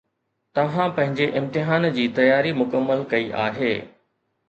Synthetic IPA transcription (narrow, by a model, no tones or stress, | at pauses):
t̪ɐʋ̤ãpɐ̃ɦɪ̃ɲd͡ʑeʔɪ̃mt̪ɪɦaːnd͡ʑiːt̪ɐjaːɾimʊkəmːəlkɐiʔa̰ːɦeː